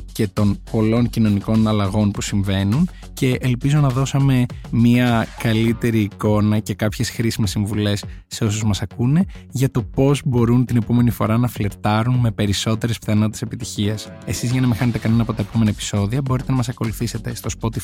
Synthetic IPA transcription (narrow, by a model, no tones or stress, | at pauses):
ce̞t̪o̞npo̞lo̞ncino̞niko̞nɐlɐɣo̞npusiɱve̞nun | ce̞ʔelpizo̞nɐðo̞sɐme̞miɐkɐlit̪e̞ɾiːko̞nɐce̞kɐpçesxɾisimesiɱvule̞sːe̞o̞s̬uzmɐsɐkune̞ʝɐt̪o̞po̞zbo̞ɾunt̪ine̞po̞me̞nifo̞ɾɐnɐfle̞ɾt̪ɐɾunme̞pe̞ɾiso̞t̪e̞ɾespθɐno̞t̪ese̞pit̪içiɐsesizʝɐnɐmexɐne̞t̪ekɐne̞nɐpo̞t̪ɐe̞po̞me̞nɐepi̥so̞ðiɐbo̞ɾit̪enɐmɐsɐko̞luθise̞t̪e̞st̪o̞spot̪i